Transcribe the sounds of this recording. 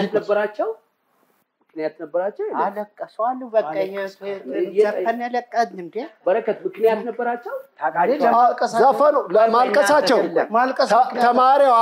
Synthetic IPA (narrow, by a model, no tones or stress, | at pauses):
it̪nəbːəɾat͡ʃːɛw | mɨknijat̪nəbːəɾat͡ʃːɛwjɛaləkʼːəsalːubəkʼːəɲasjɛəənːaləkʼːəd̪nɨmd̪ebəɾəkət̪mɨknijat̪nəbːəɾat͡ʃːɛwt̪ʰaaakʼəsazafənolmalkʼəsat͡ʃːɛwlmalkʼət̪ʰəmaɾewa